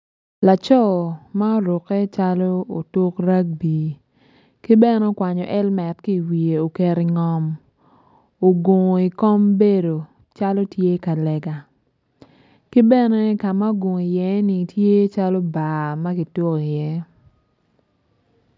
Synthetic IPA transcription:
la˨t͡ʃɔ˦˨ma˦o˦ɾo˨kɛ˦t͡ʃa˦lɔ˦o˨to˦kɾa˦k̚biː˨ | ki˦bɛ˦nɛ˦o˦kwa˨ɲɔ˨ʔɛ˦lmɛ˨tki˦˨wi˨e˨o˨ke˨ɾi˨ŋɔ˨m | o˨ɡo˨ŋo˨i˨kɔ˦mbe˦do˨ | t͡ʃa˦lo˦tje˦ka˨lɛ˨ɡa˨ | ki˦bɛ˦nɛ˦ka˨ma˦ɡo˨ŋ˨i˨jɛ˦ni˨tʰje˦t͡ʃa˦lo˦ba˨ma˦ki˨to˦ki˨jɛ˦

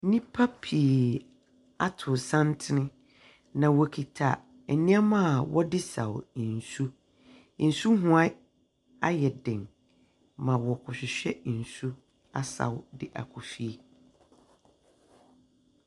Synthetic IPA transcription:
nĩ˦pʰa˦pʰi˨ | a˦tʰʊ˨sã˦ntʰɪ˦nɪ̃˦ | nã˨wɔ˨kʰi˨tʰa˨ | ɛ˨nĩ˦a˦mã˦˨wɔ˦dɪ˦sa̰˨wn̩˨su˦ | n̩˨su˦ɦʊ̃˦a˦ | a˦jɛ˨dɪ̃˨ŋ | mã˨wɔ˨kʰʊ˨ɕɪ˨ɕᶣɛ˦˨n̩˨su˦ | a˦sa̰˨wdɪ˦ʔa̰˨kʰʊ˨fi˦

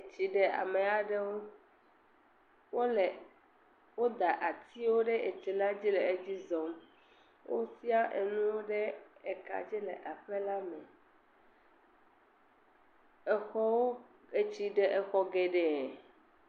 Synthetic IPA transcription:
e˨t͡ɕi˨ɖɛ˨a̰˨mẽ˨a˨ɖɛ˦wo˦ | wo˦le˨ | wo˦d̪a˨ʔa˨t̪i˦wo˦ɖɛ˦ʔe˨t͡ʃɛ˨la˦d͡ʑi˦lɛ˨e˦d͡ʑi˦zɔ˨m | wʔo̰˦si˦a˦ʔḛ˨nũ˦wo˦ɖɛ˦ɛ˨ka̰˨d͡ʑi˦lɛ˨ʔa˨ɸɛ˦la˦mɛ̃˨ | ɛ˨xɔ˦wo˦ | e˨t͡ɕi˨ɖɛ˨ʔɛ˨xɔ˦ɡɛ˨ɖɛ˨

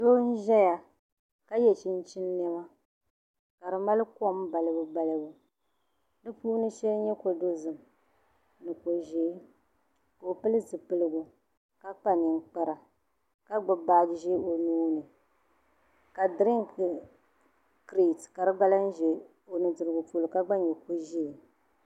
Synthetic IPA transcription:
do˦n̩˦ʒɛ˦ja˨ | ka˦jɛ˨t͡ʃɪ˦n̩˦t͡ʃɪ˦nː˦ɛ˦ma˦ | ka˨ɾɨ˨ma˦lɨ˦kɔ˦m˦ba˨lɨ˦bɨ˦ba˦lɨ˦bʊ˨ | dɨ˦puː˦nɨ˦ʃɛ˦lɲɛ˦ko˨do˦zɨ˨m˨ | nɨ˨ko˨ʒeː˨˦ | ka˨o˨pɨ˦lɨ˦zɨ˨pɨ˦lɨ˦bʊ˨ | ka˦k͡pa˦ni˨ŋ˦k͡pa˦ɾa˨ | ka˦ɡ͡bɨ˨ba˦˨d͡ʒʒe˦o˨nuː˦nɨ˨ | ka˨dɾi˦ŋk | kɾi˨tka˨ɾɨ˦ɡ͡ba˦la˦n̩˦ʒe˨ | o˨nɨ˨dɨ˨ɾɨ˨ɡʊ˨po˦lɨ˨ka˦ɡ͡ba˦ɲɛ˨ko˦ʒe˦˨

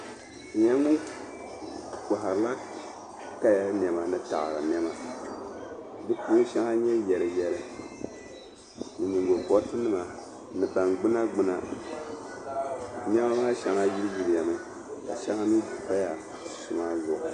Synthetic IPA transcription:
ɲɛ˦ŋu˦ | ka˨ɦa˨ɾɨ˨˦la˦ | ka˦ja˦n˨ɛ˨ma˨nɨ˦ta̰˨ɣ̰ɾa˨n˨ɛ˦ma˦ | dɨ˦puː˦n˦ʃa˦ŋa˦ɲɛ˦jɛ˨ɾɨ˨jɛ˨lɨ˨ | nɨ˨ɲi˨ŋɡo˨kɔ˨˦tɨ˦nɨ˦ma˨ | nɨ˨ba˨nɡ͡bɨ˦na˦ɡ͡bɨ˦na˨ | nɛ˦ma˦maː˦ʃa˨ŋa˦ji˦ɾɨ˦ji˨ɾja˨mɨ˦ | ka˨ʃa˦ŋa˦mi˦˨pa˦ja˨ | su˨ma˦zʊ˨ʔʊ˨

